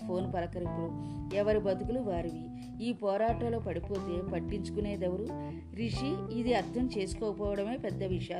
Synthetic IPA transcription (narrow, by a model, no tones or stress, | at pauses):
pʰo̞ːnpɐlɐkɐɾipuɛʋɐɾibɐt̪ukuluʋaːɾiʋi | iːpɔːɾaːʈɐlo̞ːpɐɽipo̞ːt̪e̞ːpɐʈːiɲt͡ʃu̥kune̞ːd̪ɛʋɐɾu | ɾiʂiid̪iɐɾt̪ʰɐmt͡ʃe̞ːsu̥kɔːkpɔːʋɐɽɐme̞ːpɛd̪ːɐʋiʂɐaː